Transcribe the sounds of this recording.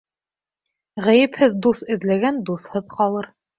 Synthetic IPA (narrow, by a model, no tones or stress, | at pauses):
ʁæjɘ̆phɘðd̪usɘ̆ðlæɡænd̪uθhɤðqɑlˠɤɾ